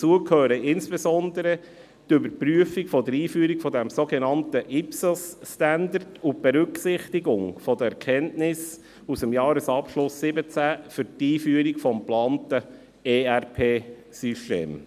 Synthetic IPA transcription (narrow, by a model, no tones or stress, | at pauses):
ət͡suəkʰhøːɾəɪnsb̥ɛsɔnd̪əɾə | tʏbəɾpɾyəfikfɔd̪əɾiːfyːɾikfɔdɛmsoɡɛnɑntəʔɪpslsstænd̪ərtut̚b̥ɛɾʏksɪχtiɡʊŋfɔd̪əɛɾkʰɛntnɪs | usəmjɑːɾəsɑpʃlʊsːɪbət͡sæfʏɾtiːfyəɾikfɔmplɑːntə | eːærpʰeː | syʃtḛːm